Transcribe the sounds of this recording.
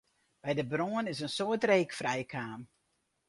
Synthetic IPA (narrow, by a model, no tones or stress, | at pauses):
b̥ɛjdəbroənɪsənsoətreːkfrɛjkʰaːm